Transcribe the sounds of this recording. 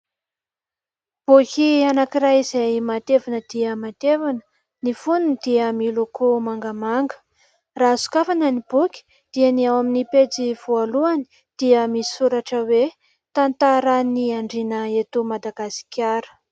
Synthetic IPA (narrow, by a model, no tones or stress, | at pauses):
b̥ukʲianakiɾajizajmat̪evanəd̪̥iəmat̪evanə̥ | nifununid̪iəmilokʰomaŋɡəmaŋɡə̥ | rasu̥kafanənibukʲi̥ | d̪̥ianiawaminiped͡ziv̥ualuani̥ | d̪̥iəmii̥suɾaʈ͡ʂəwe | t̪ant̪aɾəniaɳɖ͡ʐinəet̪umad̪aɡasi̥kʰʲaɾə̥